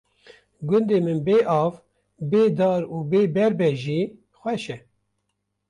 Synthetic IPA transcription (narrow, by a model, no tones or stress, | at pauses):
ɡʊnd̪eːmɨnbeːʔɑːv | beːd̪ɑːɾuːbeːbɛɾbɛʒiː | xʷɛʃɛ